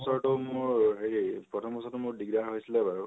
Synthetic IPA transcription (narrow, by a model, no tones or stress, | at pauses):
sɔɹtomʊɹɦeɹipɹɔtʰɔmbɔsɔɹtumʊɹdiɡdaɹɦojsilɛbaɹu